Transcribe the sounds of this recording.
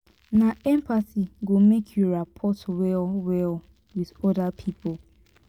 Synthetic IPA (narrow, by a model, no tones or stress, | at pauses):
naɛ̃mpasiɡomekʰjoɹapʰɔtwɛlwɛl | wiðɔdapʰipʰɔ